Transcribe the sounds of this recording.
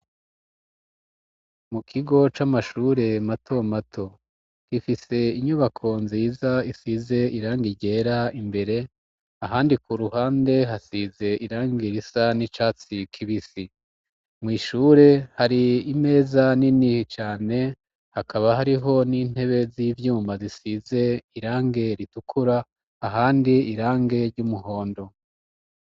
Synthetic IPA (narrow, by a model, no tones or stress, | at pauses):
mukʰiɡo̞t͡ʃamaʃuːɾe̞matʰomatʰo̞ | kifise̞iɲuβakʰo̞nziːzaisize̞ʔiɾaːŋɡiɟe̞ɾaimbe̞ɾe̞ | aɦaːndikuɾuɦaːnde̞ɦasize̞ʔiɾaːŋɡiɾisanit͡ʃaːt͡sikʰiβisi | mŋwiːʃuːɾe̞haɾiːme̞ːzaninit͡ʃaːne̞ | hakʰaβaɦaɾiɦo̞niːn̥he̞βe̞ziːvjuːmbazisize̞iɾaːŋɡe̞ɾitukʰuɾaː | ɦaːndiiɾaːŋɡe̞ɾɟumuɦo̞ːndo̞